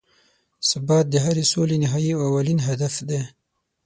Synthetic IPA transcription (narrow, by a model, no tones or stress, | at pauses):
sabɑt̪̚d̪əɦaɾesolenɪɦɑiaawalinɦad̪afd̪e